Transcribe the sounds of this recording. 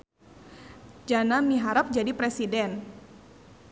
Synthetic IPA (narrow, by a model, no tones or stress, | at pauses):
d͡ʒanamiɦaɾap̚d͡ʒadipɾɛsidɛn